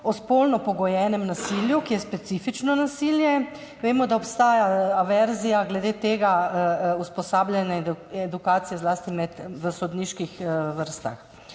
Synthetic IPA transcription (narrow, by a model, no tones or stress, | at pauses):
ɔspolnɔpɔɡɔjɛːnɛmnasiljukijɛspɛt̪siːfit͡ʃnɔnasiljɛ | ʋeːmɔd̪aɔpst̪aːjaaʋɛɾzijaɡlɛd̪eːt̪eːɡauspɔsaːblʲjɛnɛɛd̪ukaːt̪sijɛzlaːst̪imɛt̪ʋəsɔd̪niːʃkixʋəɾst̪a̰x